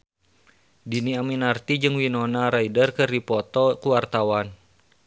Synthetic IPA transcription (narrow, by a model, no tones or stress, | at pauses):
diniaminart̪id͡ʒɨŋwinɔnaɾaidərkɨrdipɔt̪ɔkuwart̪awan